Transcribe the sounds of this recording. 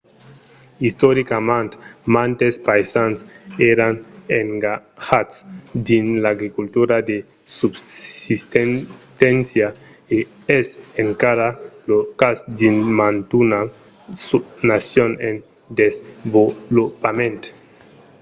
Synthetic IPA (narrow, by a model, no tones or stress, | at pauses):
ist̪oɾikamãnt̪mãnt̪espajsanseɾaneŋɡahat̪sd̪inlaɡɾikult̪uɾad̪e | subsist̪et̪ensja | e | eseŋkaɾalokasd̪inmant̪una | sunasjonen | d̪ezbolopamẽnt̪